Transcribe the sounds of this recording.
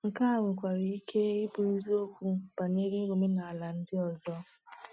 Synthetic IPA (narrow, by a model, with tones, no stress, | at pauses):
ŋ̩˨ka˦a˨ŋʷɪ˨kʷa˨ɾi˨i˦ke˦ɪ˦bʊ˨i˦zu˦o˦kʷu˦b̥a˨ne˦ɾi˦ɾo˨me˦na˨a˨la˨n̩˦dɪ˦ɔ˨zɔ˦